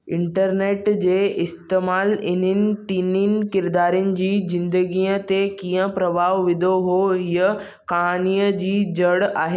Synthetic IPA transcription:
ɪ̃ɳʈəɾneːʈd͡ʑeːʔɪst̪eːmaːlɪn̤ənɪ̆ʈ̪iːninɪ̆kɪɾd̪aːɾijʊnɪ̆d͡ʑiːzɪ̃nd̪əɡiːət̪ekiːə̃pɾɐbʱaːʋʋɪd̪ʱoɦoɦiə | kaniːəd͡ʑiːd͡ʑɐɽaːɦe

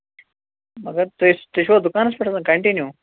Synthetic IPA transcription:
mɐɡɐɾt̪uist̪eʃoːd̪ʊkaːnɐspeʈʰɐsãkɐɳʈinjuː

